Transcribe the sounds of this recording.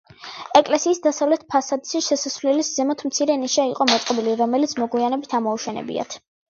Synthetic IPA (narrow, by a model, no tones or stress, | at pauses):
ɛkʼlɛsiːsd̪asavlɛt̪̚ʰpʰasad̪siʃɛsasvlɛliszɛmɔt̪ʰmt̪sʰiɾɛniʃaiqʼɔmɔt̪sʼqʼɔbiliɾɔmɛlit̪sʰmɔɡwianɛbit̪ʰamɔuʃɛnɛ̰bḭa̰t̪ʰ